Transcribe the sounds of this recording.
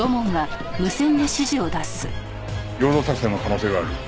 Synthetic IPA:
o̞mõŋɡa | mɯ̟sẽ̞nd̪e̞ɕiʑio̞d̪asɨ | jʲo̞ːd̪oːsakɯ̟sẽnːokano̞ːse̞ːɡaːɾɯ̟

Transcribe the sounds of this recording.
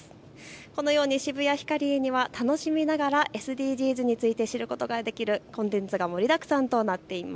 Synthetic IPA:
ko̞no̞jo̞ːɲ̟iɕibɯ̟jaçi̥kaɾʲieɲ̟iβat̪ano̞ɕimʲinaɡaɾaʔe̞sɨd̪ʲiːʑiːzɨɲ̟it͡sɨit̪e̞ɕiɾɯ̟ko̞t̪o̞ɡad̪e̞kʲiɾɯ̟kõ̞nt̪ẽ̞nt͡sɨɡamo̞ɾʲid̪akɯ̟̥sãnt̪o̞nat̪ːe̞ima

